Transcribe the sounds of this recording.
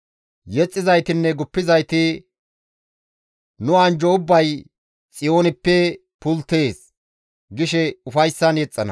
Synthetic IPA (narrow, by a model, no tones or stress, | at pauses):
jɛt͡sʼːɪzɐjt̪ɪnːɛɡʊpːɪzɐjt̪ɪ | nʊɐnd͡ʒɔʊbːɐj | t͡sʼɪjo̞ːnɪpːɛ | pʊlt̪e̞ːs | ɡɪʃɛʊfɐjsːɐnjɛt͡sʼːɐnɐ